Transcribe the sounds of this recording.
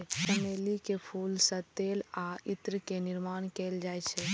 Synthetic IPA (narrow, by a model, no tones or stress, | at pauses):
səmelikepʰuːlsə̃t̪elait̪ɾəkenɪɾmaːnkɛld͡ʒajt͡ʃʰɛ